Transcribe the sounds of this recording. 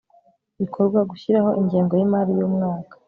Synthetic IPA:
βikʰoɾɡwaɡuçiɾaho̞ʔiɲɟiːŋɡo̞jimaːɾijomŋaːkḁ

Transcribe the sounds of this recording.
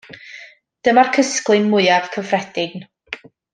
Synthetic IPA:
d̥əmarkʰəsklˠɨnmʊɨav̥kʰəvrɛd̥ɪɡn

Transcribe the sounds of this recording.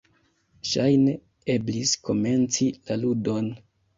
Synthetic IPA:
ʃajne̞ | e̞blisko̞me̞nt͡silaludo̞n

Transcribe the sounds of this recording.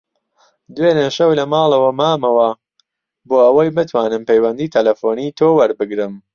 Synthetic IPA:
d̪weːnɨʃɐwlɐmɑːlɐwɐmaːmɐwɐ | boːɐwɐjbɨt̪ʰwaːnɨmpejwɐnd̪iːt̪ʰɐlɐfoːniːt̪ʰoːwɐɾbɨɡɾɨm

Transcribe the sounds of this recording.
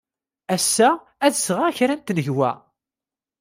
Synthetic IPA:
æsːæ | æðəsʁaçɾænt̪nəʝwæ̰

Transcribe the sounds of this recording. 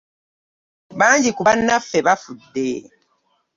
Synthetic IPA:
βaːɲɟikuβanːafːe̞βafudːe

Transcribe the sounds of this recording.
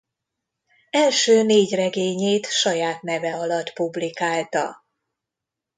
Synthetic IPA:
ɛlʃøːneːɟrɛɡeːɲeːt̪ʃɒjaːt̪nɛvɛɒlɒt̪publikaːlt̪ɒ̰

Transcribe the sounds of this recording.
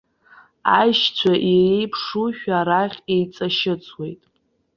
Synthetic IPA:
ajʃt͡ɕʷʰaʔiejpʰʂuʃᶣaɾaχʲejt͡sʼaʃɪt͡sʼʰwe̞jtʼ

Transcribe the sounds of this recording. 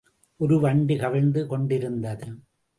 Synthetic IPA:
ʔɔɾɯʋɐɳɖikɐʋɐɻnd̪ɯkɔɳɖɪɾɯnd̪ɐðɯ

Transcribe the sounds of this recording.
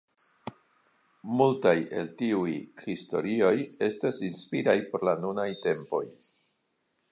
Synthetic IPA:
multaje̞̰ltiujxisto̞̰ɾio̞je̞stasinspiɾajpo̞ɾlanunajte̞mpo̞j

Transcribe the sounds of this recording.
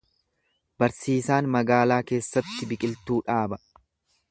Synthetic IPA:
bɐɾsiːsaːnmɐɡaːlaːke̞ːsːɐt̪ːɪbɪkʼɪlt̪uːᶑaːbɐ

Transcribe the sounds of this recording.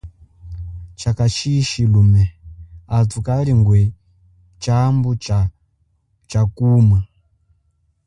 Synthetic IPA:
t͡ʃakat͡ʃʰiʃilumɛatʰukaɾiŋɡwɛ | t͡ʃambu | t͡ʃakuːma

